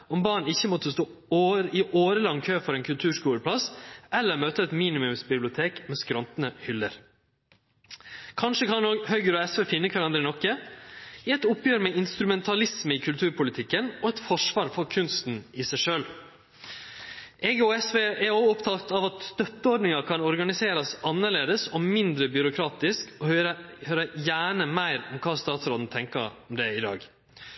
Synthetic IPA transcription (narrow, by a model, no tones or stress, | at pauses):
ɔmbɑːɳɪçːəmɔt̪ːəst̪oːoːɾɪʔoːɾəlɑŋkʰøːfɔɾɛːnkʰʉlt̪ʰʉːʂkuːɾəpʰlɑsɛlːəɾmøːt̪əɛt̪miːnɪmʉmsbɪblɪʊt̪ʰeːkmɛːskɾɔnt̪nəhʏlːə̰ɾ | kʰɑnʂəkʰɑnoːɡhœʏɡəɾɔɛsʋeːfɪnːəkʰʋæɾɑnd̪ɾənɔkːə | iɛt̪ʊpjøːɾmɛɪnst̪ɾʉmɛnt̪ʰɑlɪsməiːkʰʉlt̪ʰʉːɾpʰʊlɪt̪ʰɪkːənɔɛt̪fɔʂʋɑːɾfɔɾkʰʉnst̪n̩ɪsæɪʂøːl | ʔɛɡəoːɛsʋeːʔɛɾoːɔpt̪ʰɑkt̪ɑʋɑt̪st̪œt̪ːəɔɾɖnɪŋɑkʰɑnɔɾɡɑnɪseːɾɑsɑnːəɭeːd̪əsɔmɪnd̪ɾəbʏɾʊkʰɾɑːt̪ɪskɔhɾəhøːɾəjæːɳəmæɪɾɔmkʰɑːst̪ɑːt̪sɾɔːd̪n̩t̪ʰɛŋkə̰ɔmd̪ɛɪd̪ɑ̰ːɡ